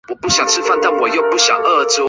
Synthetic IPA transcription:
wɔ˨˩pu˥˩ɕjɑ˨˩ŋt͡sʰɻ̩˥fa˥˧nt̪a˥˨nwɔ˨˩jo˥˧ʊpu˥˩ɕjɑ̰˨˩ŋʔə˥˧t͡su˥

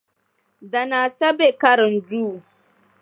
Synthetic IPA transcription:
da˨na˨sɐ˦be˨ka˦ɾɪ˨nduː˦

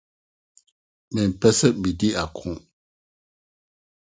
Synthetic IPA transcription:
mɛ˨m̩˨pɛ˦sə˦ʔ̚m̩˨bi˨di˦a˨kʰũ˨ʔ

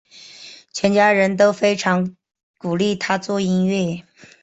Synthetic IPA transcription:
t͡ɕʰɥɛ˧˥nt͡ɕja˥ɻə˧˥nt̪̬o˥ʊfe˥ɪʈ͡ʂʰɑ˧˥ŋ | ku˨˩li˥˩t̪ʰa˥t͡swɔ˥˩i˥nɥɛ˥˩

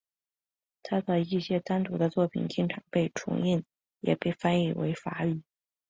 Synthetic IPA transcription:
t̪ʰa˥d̪ə˧i˥˩ɕjɛ˥t̪a˥nt̪u˧˥d̪ə˧t͡swɔ˥˩pʰḭ˨˩nt͡ɕi˥˩ŋʈ͡ʂʰɑ˨˩ŋpe˥˩ɪʈ͡ʂʰʊ̰˧˥ŋi˥˩n | jɛ̰˨˩pe˥˩ɪfa˥ni˥˩wḛ˧˥ɪfa̰˧˥y˨˩˦

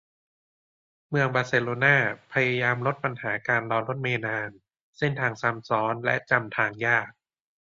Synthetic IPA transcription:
mɯ˧əŋbaː˧seː˧loː˧naː˥˩pʰa˧ja˧jaː˧mlo˦˥t̪̚pa˧nhaː˩˦kaː˧nlɔː˧nɾo˦˥t̪̚meː˧naː˧n | si˥˩nt̪ʰaː˧ŋsa˧˦˥msɔː˦˥nlɛ̰˦˥ʔt͡ɕa˧mt̪ʰaː˧ŋjaː˥˩k̚

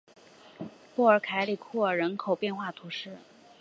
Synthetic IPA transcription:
pu˥˩ə˞˨˩kʰa˧˥ɪli˨˩kʰu˥˩ə˞˨˩ɻə˧˥nkʰo˨˩ʊpjɛ˥˧nxwa˥˩t̪ʰu˧˥ʂɻ̩˥˩

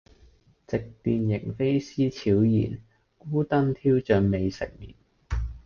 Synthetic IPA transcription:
t͡sɪ˨k̚t̪iː˧njɪ˨˩ŋfe˥jsiː˥t͡sʰiː˨˥wjḭː˨˩n | kuː˥t̪ɐ˥nt̪ʰiː˥wt͡ʃœː˨˧ŋme˨˧jsɪ̰˨k̚mḭː˨˩n

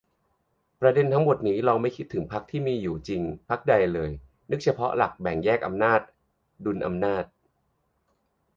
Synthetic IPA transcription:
pɾa˧de˧nt̪ʰa˦˥ŋmo˨˩t̪̚niː˦˥ɾɔː˧ŋma˥˩jkʰi˦˥t̪ʰːɯ˩˦ŋpʰa˦˥k̚t̪ʰiː˥˩miː˧juː˨˩t͡ɕi˧ŋpʰa˦˥k̚da˧jlɤː˧j | nɯ˦˥k̚t͡ɕʰa˧pʰɔ˦˥la̰˨˩k̚bɛ˨˩ŋjɛː˥˩k̚ʔa˧mnaː˥˩t̪̚ | du˧nʔa̰˧mnaː˥˩t̪̚

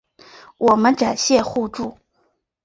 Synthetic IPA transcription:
wʔɔ˨˩mə˦nʈ͡ʂa˨˩nɕjɛ˥˧xu˥˧ʈ͡ʂu˥˩

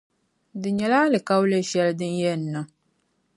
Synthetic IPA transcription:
dɨ˨ɲɛ˨laː˦lɨ˨ka˦wlɨ˦ʃɛ˦ldɨ˦njɛ˦nː˨ɨ˨

